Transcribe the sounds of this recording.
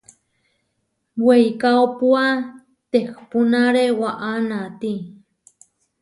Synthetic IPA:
wejkaopua | t̪ekpunaɾewaʔanat̪i

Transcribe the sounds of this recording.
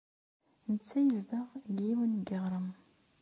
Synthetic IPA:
nət͡sːæjəzd̪əʁɡiwənɡəʁɾˤəm

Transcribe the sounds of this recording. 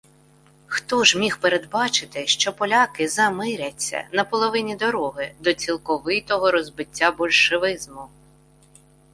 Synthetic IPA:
xt̪ɔʒmʲixpeɾed̪bɑt͡ʃɪt̪ɪʃt͡ʃɔpɔlʲakɪzɐmɪɾʲɐt͡sʲːɐ̰nɐpɔlˠɔʋɪnʲid̪ɔɾɔɦɪd̪ɔt͡sʲilˠkɔʋɪt̪ɔɦɔɾɔzbɪtʲːabɔlʲʃeʋɪzmʊ

